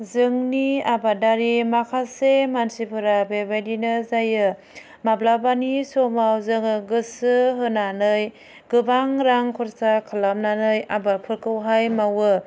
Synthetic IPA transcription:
zɯŋniabadaɾimakʰasemansipʰɯɾabebajdinɯzajɯ | mablabanisɔmawzɯŋɯɡɯsɯɦɯnanɯj | ɡ̥ɯbaŋɾaŋkʰɔɾsakʰalamnanɯjabapʰɯɾkɯwɦajmawɯ

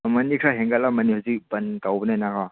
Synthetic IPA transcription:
mɐnikʰɾaɦeŋɡalamɐnihuzik̚bɐntawbənajnaka

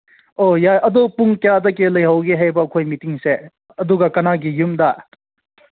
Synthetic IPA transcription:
ojajʔɐd̪upuŋkjadɐkelɐjɦɐwɡeɦajbɐːkʰojmitiŋse | ɐduɡɐkɐnaɡijumda

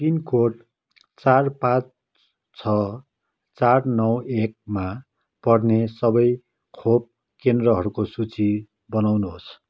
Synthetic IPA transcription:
t̪inkoʈ | t͡sarpãt͡s | t͡sʰʌ | t͡sarnʌwek̚ma | pʌrnesʌbʌj | kʰob̚ | kend̪rʌɦʌɾukosut͡si | bʌnawnuɦos

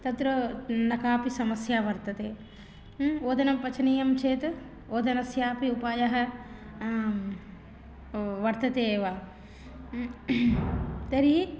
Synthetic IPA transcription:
t̪ɐt̪ɾɐnɐkaːpisɐmɐsjaːʋɐɾt̪ɐt̪eː | oːd̪ɐnɐmpɐt͡ʃʰɐniːjɐmt͡ʃʰeːt̪ | oːd̪ʱɐnɐsjaːpiupaːjɐɦɐ̆ | ʋɐɾt̪ɐt̪eːʋaː | t̪ɐɾi

